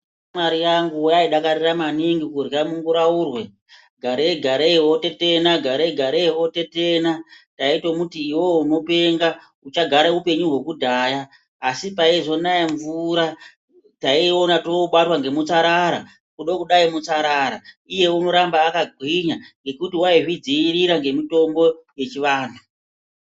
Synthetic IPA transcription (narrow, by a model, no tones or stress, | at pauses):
maɾijaŋɡuujaiɗakaɾiramaniŋɡikurjamuŋɡuɾaurwe̞ | ɡʱaɾeeɡʱaɾewote̞tenaɡʱaɾeeɡʱaɾeɦo̞te̞te̞nataitomutiːwouno̞pe̞ŋɡa | ut͡ʃaɡʱaɾaupe̞ɲuɦe̞kudʱaːjaː | sipaiʐo̞najaɱvuɾa | taionatoɓatwaŋɡe̞mut͡saɾaɾa | kuɗokuɗaimut͡saɾaːɾa | ije̞uno̞ɾambaːkaɡʱwiɲaŋɡe̞kutiwairid͡ziːɾiɾaŋɡe̞mito̞mbo̞je̞t͡ʃiʋaːntʰu